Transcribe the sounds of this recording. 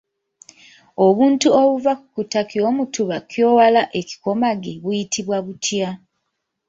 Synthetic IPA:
oβuːntuoβuvakukutakiomutuβakjoːwalaʔe̞ci̥ko̞maɡeβujitʰiβwaβutʰja

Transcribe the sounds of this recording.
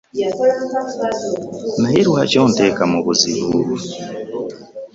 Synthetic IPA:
naɦeɾuhacoːntekamuβuzḭβuβu

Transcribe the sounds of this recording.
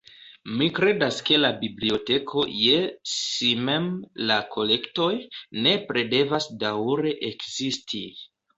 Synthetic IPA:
mikɾe̞daske̞labiblio̞te̞kʰo̞jesimemlakʰo̞le̞kto̞jne̞pɾe̞de̞vasdawɾe̞ʔekz̥istʰi

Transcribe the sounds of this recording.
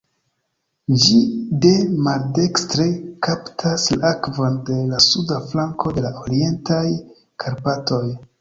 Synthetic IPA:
d͡ʒide̞malde̞kstɾe̞kaptʰaslakvonde̞lasudaflaŋko̞de̞laʔoɾie̞ntaj | kʰaɾpato̞j

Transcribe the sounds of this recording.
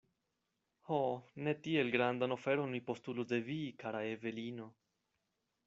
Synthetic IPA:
hone̞tie̞lɡɾandano̞fe̞ɾo̞nmipo̞stulusde̞vikaɾaeve̞lino̞

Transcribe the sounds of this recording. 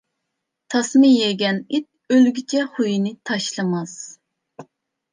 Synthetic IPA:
t̪ʰɑsmɨjeɡʲɛnit̪̚ølɡʲit͡ʃʰɛχujinɨt̪ʰɑʃlˠɨmɑs

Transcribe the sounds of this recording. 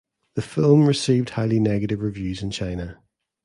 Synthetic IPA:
ðəfɪlˠmɹɪsiːvd̥haɪlˠinɛɡəɾɪvɹɪvjʉːzɪ̃nt͡ʃʰãɪ̃nə

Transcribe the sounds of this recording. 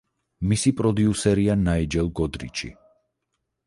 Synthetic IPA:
misipʼɾɔd̪iusɛɾianaid͡ʒɛlˠɡɔd̪ɾḭt͡ʃʰḭ

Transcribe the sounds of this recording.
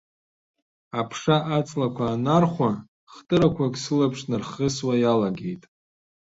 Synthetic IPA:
apʰʂaʔat͡sʼlakʷʰaːnarχʷa | χtʼɨɾakʷʰakʼsɨlapʰʂnɨrχəswajalaɡe̞jtʼ

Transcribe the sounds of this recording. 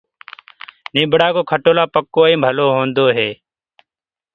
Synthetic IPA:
nɪːbʱɽaːkoːkʰəʈoːlaːpəkːoːĩːmbʱəloːɦoːnd̪oːɦeː

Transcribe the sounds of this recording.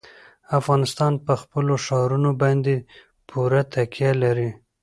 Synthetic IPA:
afɣɑnɪst̪ɑnpəxpəloʃɑɾunobɑnd̪e | pʰuɾat̪akjalaɾi

